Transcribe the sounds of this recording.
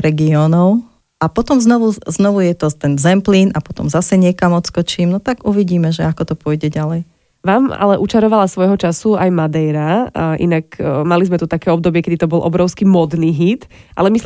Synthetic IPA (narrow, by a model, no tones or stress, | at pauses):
ɾɛɡiɔːnɔʊ | ʔapɔt̪ɔmznɔʋuznɔʋujɛt̪ɔt̪ɛnzɛmpliːnapɔt̪ɔ̰mzasɛɲɪɛkamɔt̪skɔt͡ʃiːmnɔt̪aɡuʋiɟiːmɛʒɛakɔt̪ɔpʊɔjɟɛɟalɛj | ʋaːma̰lɛʔut͡ʃaɾɔʋalasʋɔjɦɔt͡ʃasuajmad̪ɛjɾaʔḭnakmalizmɛt̪ut̪akɛːɔb̚d̪ɔbɪɛkɛd̪it̪ɔbɔlʔɔ̰bɾɔʊskimɔd̪niːɦit̪ʔa̰lɛmi